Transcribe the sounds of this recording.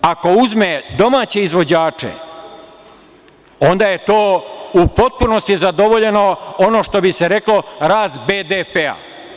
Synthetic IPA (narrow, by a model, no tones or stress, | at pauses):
ako̞uzmed̪o̞maːt͡ɕe̞izʋo̞d͡ʑaːt͡ʂḛ | o̞nd̪aːje̞t̪o̞ːupo̞t̪̚puno̞st̪izad̪o̞ʋoʎe̞no̞ono̞ːʃt̪o̞bise̞ɾe̞klo̞ɾaːzbeːd̪epea̰